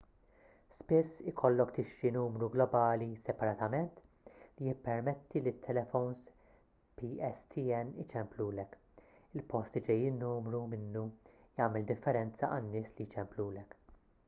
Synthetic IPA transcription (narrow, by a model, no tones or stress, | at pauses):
spɪsːɪkʰɔlːɔkt̪ɪʃɾinuːmɾuɡlɔbɐːlisɛpɐɾɐt̪ɐmɛnt̪ | lijɪpːɛɾmɛt̪ːilɪt̪ʰːɛlɛfɔwns | piːɛst̪ʰiɛnːɪt͡ʃɛmpluːlɛk | ɪlpɔst̪id͡ʒɛjːiːnːuːmɾumɪnːujɐːmɛld̪ɪfːɛɾɛnt͡sɐʔɐnːɪːslit͡ʃɛmpluːlɛk